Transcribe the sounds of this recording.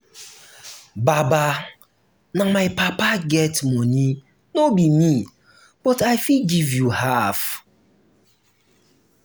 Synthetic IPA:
baba | namajpapaɡɛtmɔni | nobimi | b̥ɔtajfiɡivjuhaf

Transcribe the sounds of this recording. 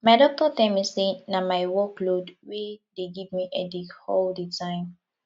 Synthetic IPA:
maɪdɔk̚tɔtɛ̃misenamaɪwɔklodwedeɡivmiʔɛdikhɔlditʰãɪ̃m

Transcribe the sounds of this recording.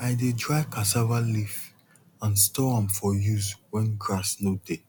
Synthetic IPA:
aɪdedɹaɪkasavalif | ãnstɔãmfɔjuzwɛ̃nɡɹasnode

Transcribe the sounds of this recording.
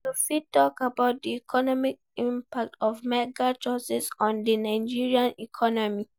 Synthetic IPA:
tofitːɔkabaʊt̚diɛkʰɔnɔmik̚ | ĩmpak̚tɔvmɛɡat͡ʃɔsɛsɔ̃ndinaɪ̃d͡ʒiɹiãnikʰɔnɔmi

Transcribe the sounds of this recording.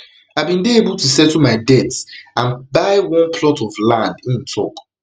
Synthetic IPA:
aɪbĩndeebulˠtusɛtumaɪdɛtsãnbaɪwɔ̃npʰlɔtɔvlãndĩntʰɔk

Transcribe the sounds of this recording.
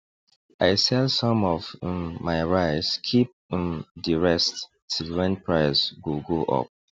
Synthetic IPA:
ʔaɪsɛlsɔ̃mɔvmaɪɹaɪskʰip̚mdiɹɛst | tʰilwɛ̃npʰɹaɪsɡuɡoʔɔ̰p̚

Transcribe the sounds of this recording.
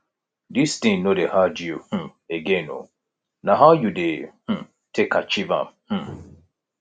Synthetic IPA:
distĩnodehad͡ʒiuh̩ | eɡɛ̃no̰ | naɦawjudeh̩ | tʰekat͡ʃiva̰mh̩

